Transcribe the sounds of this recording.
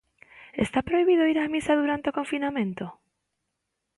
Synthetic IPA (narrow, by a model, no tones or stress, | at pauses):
ḛst̪apɾoiβiðoiɾamisaðuɾant̪eokoɱfinamẽnt̪o